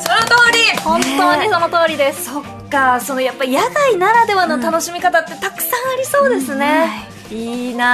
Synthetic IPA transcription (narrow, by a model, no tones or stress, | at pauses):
so̞not̪o̞ːɾʲihõ̞nt̪o̞ːɲiso̞no̞t̪o̞ːɾʲid̪e̞sso̞kːaso̞nojapːaijaɡainaɾad̪e̞βano̞t̪ano̞ɕimʲikat̪at̪ːe̞t̪akɯ̟̥sãɰ̃aɾʲiso̞ːd̪e̞sɨne̞ | iːna